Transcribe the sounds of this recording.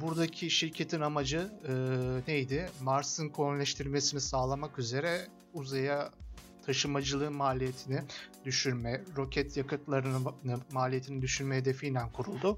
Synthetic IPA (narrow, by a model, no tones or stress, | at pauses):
buɾd̪acʰiʃiɾcʰe̞t̪ʰinamad͡ʒɯɯːnejd̪ɪmaɾsɯnkʰonlʲɛʃt̪ʰiɾʲme̞sinisaːlˠamakyze̞ɾɛ | uzaja | t̪ʰaʃɯmad͡ʒɯlˠɯːnmaːlʲijet̪ʰinɪd̪yʃyɾmɛɾo̞cʰɛt̪ʰjakɯt̪lˠaɾɯnɯnɯmaːlʲijet̪ʰinid̪yʃyɾmɛɦed̪efijnænkʰuɾulˠd̪ʊ